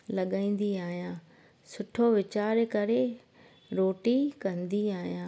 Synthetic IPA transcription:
lɐɠãĩːn̆d̪iaːɦijãː | sʊʈʰoʋɪt͡ɕaːɾkɐɾe | ɾoːʈikɐ̃nd̪iaːɦijãː

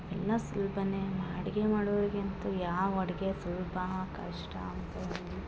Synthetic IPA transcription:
ɛlːɐsulbɐnemaːɽiɡemaːɽoʋɐɾiɡent̪ujaːʋɔɽɐɡesulbʱɐkɐʂʈɐ̰ɐnt̪ɐn | u

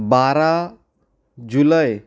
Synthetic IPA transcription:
baɾa | d͡ʒuləj

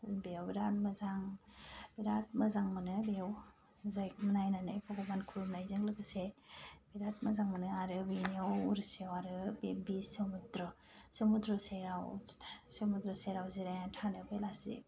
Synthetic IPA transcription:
bewbiɾat̚mɐzaŋbiɾat̚mɐzaŋmɐnɯbew | zajk̚manajnanɯ̰jpʰɔɡɔbankʰuɾumnajzɯŋlɯɡɯsebiɾat̚mɐzaŋmɐnɯaɾɯbiniawuɾsiwaɾɯbbisɯmudɾɔ | semudɾɔseɾawtʰsemudɾɔseɾawziɾajnatʰanɯbelasḭ

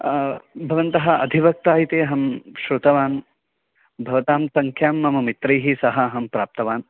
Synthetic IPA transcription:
bʱɐʋɐnt̪ɐɦɐɐd̪ʱiʋɐk̚t̪aːjit̪eːɦɐmʃɾut̪ɐʋaːn | bʱɐʋɐt̪aːmsɐŋkʰjaːmːɐmɐmit̪ɾɐjɦisɐɦɐɦɐmpɾaːp̚t̪ɐʋaːn

